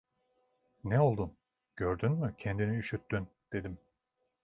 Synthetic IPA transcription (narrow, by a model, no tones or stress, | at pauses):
nɛo̞lˠd̪un | ɟ̥øɾd̪ynmycʰɛnd̪iniyʃyt̪ːyn | d̪̥e̞d̪im